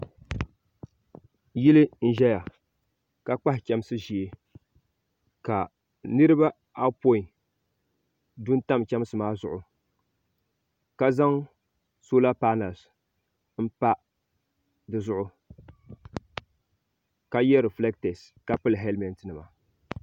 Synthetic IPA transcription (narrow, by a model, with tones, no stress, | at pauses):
ji˦lɨ˦n̩˦ʒɛ˦ja˨ | ka˦k͡pa˦hɪ˨kʲɛ˦m˦sɨ˦ʒi˨e˦ | ka˨ | nɨ˦ɾɨ˦ba˦ | a˦po˦i˨ | du˦n˦ta˦m˨kʲɛ˦m˦sɨ˨maː˦zʊ˨ʔʊ˨ | ka˦za˦ŋ | so˦la˦paː˦na˨ls | m̩˦pa˦ | dɨ˨zʊ˦ʔʊ˨ | ka˦jɛ˦ɾɨ˨flɛ˦k̚te˨s | ka˦pɨ˦lɨ˨ɦɛ˦lmɛ˨ntɨ˨nɨ˨ma˨